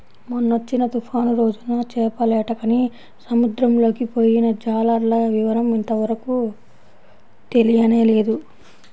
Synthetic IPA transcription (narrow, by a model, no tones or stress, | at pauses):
munːot͡ʃːinɐt̪upʰaːnuɾo̞ːd͡ʒunɐt͡ʃɛːpɐlɛːʈɐkɐni | sɐmud̪ɾɐmlo̞ːkipo̞ːjinɐd͡ʒaːlɐɾlɐʋiʋɐɾɐmint̪ɐʋɐɾɐku | t̪e̞lijɐne̞ːleːd̪u